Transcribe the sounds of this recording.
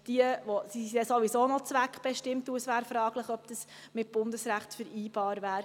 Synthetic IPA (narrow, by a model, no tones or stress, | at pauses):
d̥iəʋɔsiɛsoʋisoːnɔt͡sʋækχb̥ɛʃtɪmtuəsvæːɾfɾɑːɡ̥ləχœpd̥əs | mɪt̚b̥ʊndəsɾæχtfəɾiːbɑːɾvæːɾ